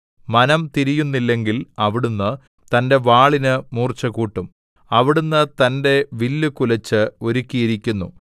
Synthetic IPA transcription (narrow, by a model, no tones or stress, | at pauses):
mɐnɐmt̪iɾijunːilːe̞ŋɡilɐʋiɽunːɨ | t̪ɐnde̞ʋaːɭinɨmuːrt͡ɕːɐkuːʈːum | ɐʋiɽunːɨt̪ɐnde̞ʋilːukulɐt͡ɕːɨo̞ɾukʲːijiɾikʲːunːṵ